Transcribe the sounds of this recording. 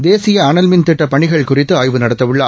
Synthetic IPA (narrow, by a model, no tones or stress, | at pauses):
d̪eːsɪjɐaːɳɐlmɪnt̪ɪʈːɐpɐɳɪɣɐɭkʊrɪt̪ːɯaːjʋɯnɐɽɐt̪ːɐʋɯɭːaː